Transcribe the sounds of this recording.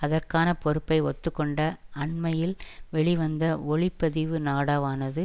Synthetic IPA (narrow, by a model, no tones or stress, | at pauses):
ɐðɐrkaːnɐpɔɾɯpːɐɪɔt̪ːɯkːɔɳɖɐːɳmɐjɪlʋɛɭɪʋɐnd̪ɐɔɭɪpːɐðɪʋɯnaːɽaːʋaːnɐðɯ